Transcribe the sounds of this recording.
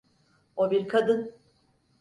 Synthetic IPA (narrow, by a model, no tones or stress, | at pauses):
obiɾkʰad̪ɯn